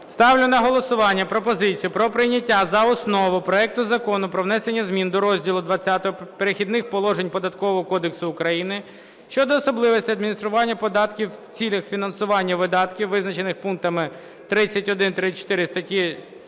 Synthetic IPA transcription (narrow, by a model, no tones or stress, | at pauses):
st̪ɑwlʲʊnɐɦɔlˠɔsʊʋɑnʲːɐpɾɔpɔzɪt͡sʲijʊpɾɔpɾɪnʲɐtʲːazɐɔsnɔʋʊpɾɔɛk̚t̪ʊzɐkɔnʊpɾɔʋnɛsenʲːɐzʲmʲind̪ɔɾɔzʲdʲilˠʊd̪ʋɐt͡sʲːat̪ɔɦɔpeɾexʲid̪nɪxpɔlˠɔʒenʲpɔd̪ɐt̪kɔʋɔɦɔkɔd̪eksʊːkɾɐjinɪ | ʃt͡ʃɔd̪ɔːsɔblˠɪʋɔsʲtʲiɐd̪mʲinʲist̪ɾʊʋɑnʲːɐpɔd̪ɑt̪kʲiwːt͡sʲilʲɐxfʲinɐnsʊʋɑnʲːɐʋɪd̪ɑt̪kʲiwːɪznɐt͡ʃenɪxpunk̚t̪ɐmɪ | t̪ɾɪt͡sʲːɐtʲɔd̪ɪnt̪ɾɪt͡ʃt̪ɪɾɪst̪ɐtʲi